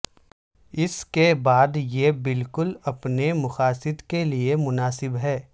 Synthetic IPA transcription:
ɪskebaːd̪jebɪlkʊlɐpnemʊxaːsɪd̪keliemʊnaːsɪbɦɛː

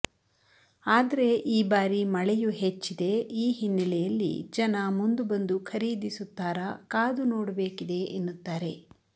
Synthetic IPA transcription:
aːd̪ɐɾe̞ʔiːbaːɾimɐɭɛjuɦet͡ʃːid̪e̞iːɦinːɐlɛjɐlːḭd͡ʒɐnɐmund̪ubɐnd̪ukʰɐɾiːd̪isut̪ːaːɾɐkaːd̪unoːɽɐbe̞ːkid̪e̞ʔenːut̪ːaːɾe̞

